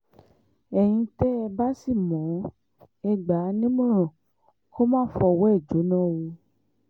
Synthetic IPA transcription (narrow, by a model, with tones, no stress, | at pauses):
ɛ˨j̃ĩ˧tɛ˦ɛ˧ba˦si˦˨mɔ̃˨˦ | ɛ˧ɡ͡ba˨˦nĩ˦mũ˦ɾ̃ɔ̃˨ | ko˦mãː˦fɔ˧wɔ˦ɛ˦˨d͡ʒo˨˦nɔ̃˦˨wo˧